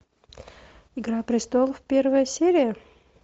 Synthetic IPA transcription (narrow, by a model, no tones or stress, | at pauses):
ɪɡɾapɾʲɪst̪olˠfʲpʲe̞rvəjəsʲeɾʲɪjə